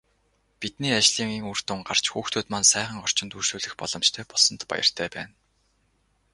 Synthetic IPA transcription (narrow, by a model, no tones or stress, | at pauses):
pit̪niːat͡ɕɮiːŋeŋur̥t̪ʊŋɢar̥t͡ɕxuːxt̪ʰoːt̪mansæːχə̆ŋɔr̥t͡ɕɪ̆nt̪urʃuːɮɘ̆xpɔ̰ɮ̥ɞ̆mt͡ɕt̪ʰœːpɔɮsɞ̆nt̪pa̰jə̰̆r̥t̪ʰæːpæ̰ːn